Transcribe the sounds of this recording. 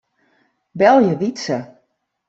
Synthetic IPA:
bɛlˠjəʋisə

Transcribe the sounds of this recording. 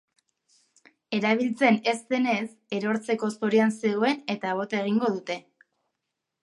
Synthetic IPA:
e̞ɾaβ̞ilt͡se̞ne̞st̪e̞ne̞s | e̞ɾo̞ɾt͡se̞ko̞soɾianseɣoe̞ne̞t̪aβ̞o̞t̪e̞ɣ̞iŋɡo̞ðut̪e̞

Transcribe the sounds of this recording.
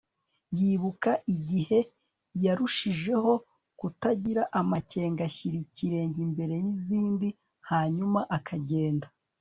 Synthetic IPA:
jiːβukaʔiɟihe̞ | jaɾuʃiʒe̞ɦo̞ | kutaɟiɾaʔamace̞ːŋɡaçiɾiciɾe̞ːɲɟimbe̞ɾe̞jiziːndi | haːɲumaʔakʰaɟe̞ːnda

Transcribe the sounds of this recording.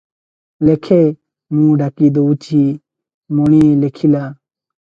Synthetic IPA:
lekʰe | mũːɖakid̪out͡ɕiː | moneːlekʰilaː

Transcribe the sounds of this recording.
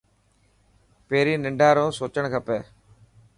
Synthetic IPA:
peːɾiːnɪ̃ɳɖʱaːɾõːsoːt͡ʃəɳ̃kʰəpeː

